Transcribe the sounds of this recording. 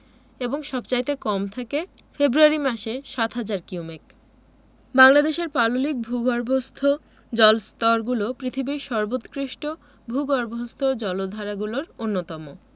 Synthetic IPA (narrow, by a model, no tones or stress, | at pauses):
eboŋʃɔbt͡ɕajt̪ekɔmt̪ʰake | febɾuaɾimaʃeʃat̪ɦad͡ʑaɾkiomek̚ | baŋlad̪eʃeɾpalolik̚bʱuɡɔɾbʱost̪ʰo | d͡ʑɔlst̪ɔɾɡulopɾit̪ʰibiɾʃɔɾbot̪kɾiʃʈo | bʱuɡɔɾbʱost̪ʰod͡ʑɔlod̪ʱaɾaɡuloɾonːot̪ɔmo